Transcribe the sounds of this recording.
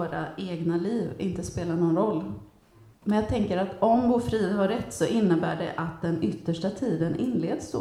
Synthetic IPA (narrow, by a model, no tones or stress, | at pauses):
ɾa̰eːɡnaliːvɪnt̪əspeːlaɳɔnɾɔlː | mɛnjaɡt̪ʰɛŋkəɾat̪ɔmvʊfɾiːd̪ɦaɾːɛt̪ːsɔʔɪnːəbæːɖɛ̰ʔat̪̚d̪ɛnʏt̪ːəʂʈat̪ʰiːd̪ənʔɪnːleːd̪sd̪o̰ː